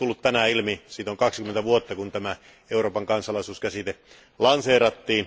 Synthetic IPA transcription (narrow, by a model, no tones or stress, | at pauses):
ulːut̪t̪ænæilmisiːt̪oŋkɑksikment̪æʋuot̪ːɑkunt̪æmæ | euroːpɑŋkɑnsɑlɑˑisuːskæsit̪e | lɑnseːrɑt̪ːiːn